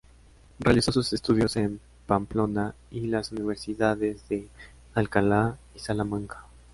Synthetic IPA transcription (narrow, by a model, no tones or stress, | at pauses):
realiso̞suse̞st̪uðjo̞se̞m | pamplo̞na | ilasuniβ̞e̞ɾsiðaðe̞zðe̞ | alkala | isalamãŋkḁ